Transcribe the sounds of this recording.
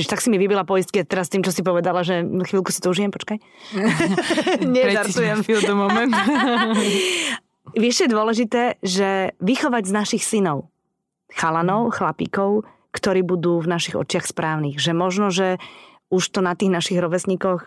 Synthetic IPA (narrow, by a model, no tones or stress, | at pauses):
ɛɛt̪aksimiʋibilapɔist̪̚kiat̪ɛɾast̪iːmt͡ʃɔsip̬ɔʋɛd̪alaʒɛxʋiːlˠkusi̥t̪ɔuʒijɛmpɔt͡ʃkaj | ɲɛt̪aɾt̪ujɛmfd̪ɔmɔmɛnt̪ | ʋɪɛʃɛjɛd̪ʊɔlɛʒit̪ɛːʒɛʋixɔʋaɟznaʃixsinɔʊ | xalanɔʊxlapḭːkɔʊ | kt̪ɔɾiːbud̪uːvnaʃiɣɔ̰t͡ʃɪaxspɾaːʊniːɣʒɛmɔʒnɔʒɛ | uʃt̪ɔnat̪iːɣnaʃiɣɾɔʋɛsɲikɔx